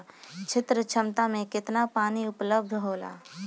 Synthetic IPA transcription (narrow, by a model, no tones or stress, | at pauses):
t͡ʃʰɪt̪ɾət͡ʃʰəmt̪amẽkɪt̪napaːniʊpləb̚d̪ʱɦoːla̰ː